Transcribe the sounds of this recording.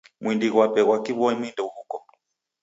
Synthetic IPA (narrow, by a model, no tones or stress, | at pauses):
mwindiɣwapɛɣwakiβɔimindɛuhukɔ